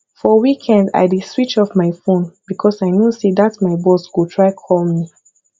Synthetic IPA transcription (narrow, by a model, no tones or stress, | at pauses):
fɔwikʰɛ̃nda̰ɪdidswit͡ʃɔfmaɪfõnb̥ikʰɔsaɪnjusedatmaɪbɔskutʰɹaɪkʰɔlˠmi